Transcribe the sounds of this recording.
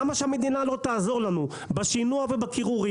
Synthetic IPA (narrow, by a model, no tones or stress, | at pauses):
maʃehame̞d̪inalo̞t̪aːzo̞ʁlanu | baʃinuavebakiʁuʁi